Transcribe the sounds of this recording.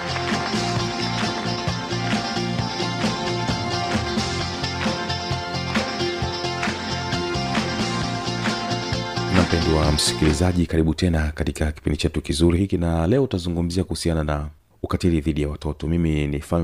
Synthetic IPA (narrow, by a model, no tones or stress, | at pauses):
unam̩pɛndiwam̩si̥kilizaʄikaɾiɓutɛnakatikaki̥pḭndit͡ʃɛtukizuɾihikinalɛɔutazuŋɡum̩ziakuhusianana | ukatiɾiðiɗijawatɔtɔmiminifa